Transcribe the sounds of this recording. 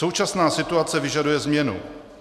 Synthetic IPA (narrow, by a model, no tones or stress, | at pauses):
o̞wt͡ʃasnaːsɪt̪uat͡sɛvɪʒadujɛzmɲɛnṵ